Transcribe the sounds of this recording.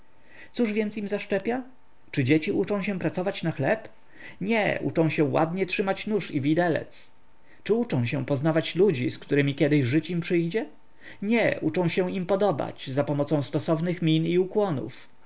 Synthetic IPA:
t̪suʐvʲjɛnt̪simzaʂt͡ʂɛpʲja | t͡ʂɘd͡ʑet͡ɕiʔut͡ʂɔ̃w̃ɕɛpɾat̪sɔvat͡ɕnaxlɛp | ɲɛ̰ʔṵt͡ʂɔ̃w̃ɕɛwa̰d̪ɲɛtʂɘmat͡ɕnuʂivʲid̪ɛlɛ̰t̪s | t͡ʂɘut͡ʂɔ̃w̃ɕɛpɔznavat͡ɕlud͡ʑiskt̪uɾɘmʲikʲɛd̪ɘɕʐɘt͡ɕimpʂɘjd͡ʑɛ | ɲɛut͡ʂɔ̃w̃ɕɛimpɔd̪ɔba̰t͡ɕzapɔmɔt̪sɔ̃w̃st̪ɔsɔvnɘxmʲiniukwɔnṵf

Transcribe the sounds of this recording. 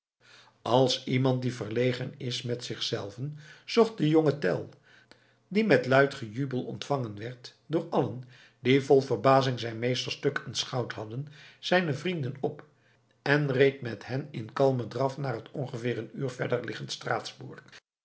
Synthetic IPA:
ʔɑlˠsimɑnt̚divəɹlejχənɪsmɛtsɪχsɛlˠvənz̥ɔχt̚dəjɔŋətɛ̰lˠ | dimɛtlœɥtχəjybəlˠɔ̰ntfɑŋənʋɛɹtdʊːɹɑlən | divɔlˠvəɹbaːzɪŋzɛjnmejstəɹstɵkʰənsχɑwtɦɑdənz̥ɛjnəvrindənɔp | ɛnrejtmɛthɛnɪnkɑlˠmədrɑfnaːrɦətɔnχəvɪːɹənyːɹv̥ɛɹdəɹlɪχəntstraːtzbuːɹk

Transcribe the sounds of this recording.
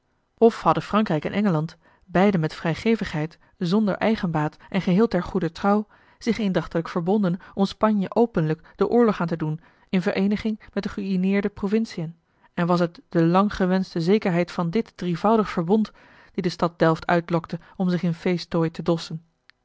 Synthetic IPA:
ɔfhɑdəfrɑŋkrɛjkɛ̰nʔɛŋəlɑnt | bɛjdənmɛtfrɛjχejvəχɦɛjt | zɔndə̰ɹʔɛjχənbaːtʔɛnχəɦɪːlˠtɛɹχudətrɑw | z̥ɪχendɑχtələkfəɹbɔndənɔmspɑɲjəʔowpənləkd̥əʔʊːɹlɔχaːntədun | ɪnvəɹʔejnəχɪŋmɛt̚dəχəyinɪːɹdəprovɪnsijən | ɛnʋɑs̬ət̚d̥əlɑŋχəʋɛnstəzejkəɹɦɛjtfɑndɪtdrivʌwdəχfəɹbɔnt | d̥idəstɑt̚d̥ɛlˠftʰœ̰ɥtlɔktə | ɔmzɪχɪnfejstojtədɔsən

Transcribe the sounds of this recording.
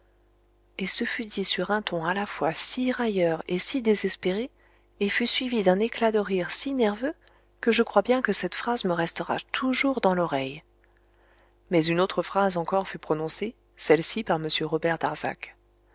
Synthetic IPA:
esəfyd̪isyʁɛ̃t̪ʰɔ̃alafwasiʁajœʁesid̪ezɛspeʁe | efysɥivid̪ɛ̃neklad̪əʁiʁsinɛʁvø | kəʒəkχwabjɛ̃kəsɛt̪fχazməʁɛst̪əʁa̰t̪ʰuʒuʁd̪ɑ̃lɔʁɛj | mɛzynot̪χəfχazɑ̃kɔʁfypχɔnɔ̃se | sɛlsipaʁməsjøʁɔbɛʁd̪aʁz̥a̰k

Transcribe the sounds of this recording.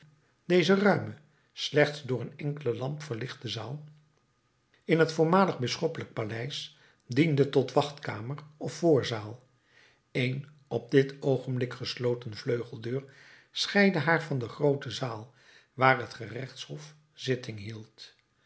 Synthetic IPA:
d̥ejzərœɥmə | slɛχtzdʊːɹənɛŋkələlɑmpfəɹlɪχt̚dəzaːlˠ | ɪnɦətfʊːɹmaːləχbɪsχɔpələk̚palɛjs | dindətɔtʋɑχtkaːmərɔfːʊːɹzaːlˠ | ejn | ɔb̚dɪtʰowχəmblɪkχəslowtənvløɥχəl̩ˠdøːɹ | sχɛjdəɦaːɹvɑndəχrowtəzaːlˠ | ʋaːɹɦətχərɛχtshɔf | z̥ɪtɪŋɦilˠt

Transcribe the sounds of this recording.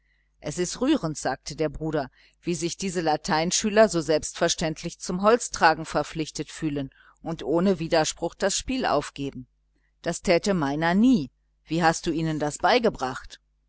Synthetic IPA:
ʔɛsɪstʁyːʁəntz̥aːk̚tʰədeːɐbʁuːɾɐ | v̥iːzɪçd̥iːzəlatʰaɪnʃyːlɐzoːzɛlpstfɛɐʃtɛntʰlɪçt͡sʊmɦɔlt͡stʁ̥aːɡŋ̩fɛɐp͡flɪçtətfyːlən | ʔʊntʔoːnəviːdɐʃpʁ̥ʊxd̥asʃpiːlʔa̰ʊfɡ̥eːbm̩ | d̥astʰɛːtəmaɪnɐniː | v̥iːɦast̚d̥uːʔiːnəndasb̥aɪɡəbʁaχt

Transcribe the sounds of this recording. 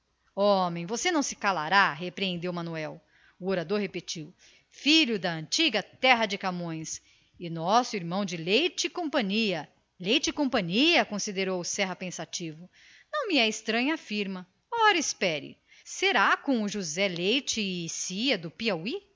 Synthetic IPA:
omẽj̃vosenɐ̃w̃sɪ̥kalaɾaɦepɾeẽnd̪ewmɐ̃nuɛw | ʊoɾad̪oɾɦepet͡ʃiw | fiʎʊd̪ɐɐ̃nt͡ʃiɡɐt̪ɛɦɐd͡ʒɪkamõj̃s | ɪnɔsʊiɾmɐ̃w̃d͡ʒɪlejt͡ʃɪkõpɐ̃ɲiɐ | lejt͡ʃɪkõmpɐ̃ɲiɐkõsid̪eɾowsɛɦɐpẽsat͡ʃivʊ | nɐ̃w̃mɪɛist̪ɾɐ̃ɲɐafiɾmɐ | ɔɾɐispɛɾɪ̰ | seɾakõʊʒuzɛlejt͡ʃɪːsiɐd̪ʊpiawi

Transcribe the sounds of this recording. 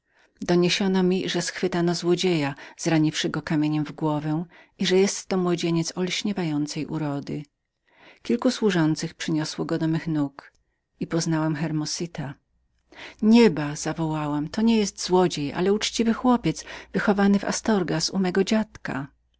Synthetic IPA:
d̪ɔɲeɕɔnɔmʲiʐɛsxfɘt̪anɔzwɔd͡ʑejaz̥ɾaɲifʂɘɡɔkamʲjeɲɛmvɡwɔvɛ | iʐɛjɛst̪ːɔmwɔd͡ʑeɲɛt̪sɔlɕɲɛvajɔnt̪sɛjʔṵɾɔd̪ɘ | kʲilkuswuʐɔnt̪sɘxpʂɘɲɔswɔɡɔd̪ɔmɘxnuk | ipɔznawamxɛɾmɔsit̪a | ɲɛbaz̥avɔwawamt̪ɔɲɛjɛst̪zwɔd͡ʑeja̰lɛut͡ʂt͡ɕivɘxwɔpʲjɛt̪svɘxɔvanɘva̰st̪ɔɾɡasṵmɛɡɔd͡ʑat̪ka̰

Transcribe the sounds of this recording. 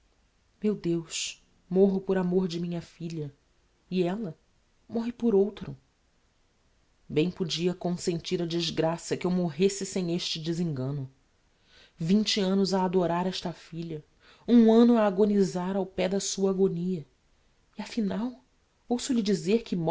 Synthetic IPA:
mewd̪ewʃ | moɦʊpoɾamoɾd͡ʒɪmĩɲɐfiʎɐ | iɛlɐ | mɔɦɪpoɾowt̪ɾʊ | bẽj̃pod͡ʒiɐkõsẽnt͡ʃiɾɐd͡ʒizɡɾasɐkɪewmoɦesɪsẽj̃eʃt͡ʃɪd͡ʒɪzĩŋɡɐ̃nʊ | vĩnt͡ʃɪɐ̃nʊzɐːd̪oɾaɾɛʃt̪ɐfiʎɐ | ũɐ̃nʊɐːɡonizaɾawpɛd̪ɐsuɐaɡoniɐ | iɐfinaw | owsʊʎɪd͡ʒizeɾkɪm

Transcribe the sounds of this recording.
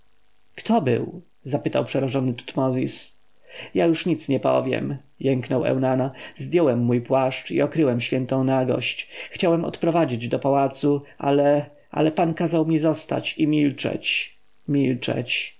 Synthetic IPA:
kt̪ʰɔbɘ̰w | zapɘt̪awpʂɛɾaʐɔnɘt̪u̥t̪mɔzʲis | jajuʂɲit̪sɲɛpɔ̰vʲjɛ̰m | jɛŋknɔwɛ̰wnanazd̪ʲjɔwɛmːujpwaʂt͡ʂḭɔkɾɘwɛmɕfʲjɛnt̪ɔ̃w̃naɡɔ̰ɕt͡ɕxt͡ɕawɛmɔ̰t̪pɾɔvad͡ʑid͡ʑd̪ɔpawat̪suʔa̰lɛ | ʔa̰lɛpankazawmʲizɔst̪a̰t͡ɕimʲilt͡ʂɛ̰t͡ɕ | mʲilt͡ʂɛ̰t͡ɕ

